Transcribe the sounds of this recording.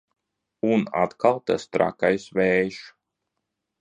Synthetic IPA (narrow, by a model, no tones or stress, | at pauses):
una̰t̪kʰalˠt̪ast̪ɾa̰kajsvɛːʃ